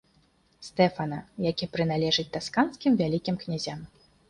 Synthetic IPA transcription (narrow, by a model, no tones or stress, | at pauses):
st̪ɛfɐnɐjakʲipɾɨn̪alʲɛʐɨt͡sʲt̪askanskʲimvʲalʲikʲimknʲazʲam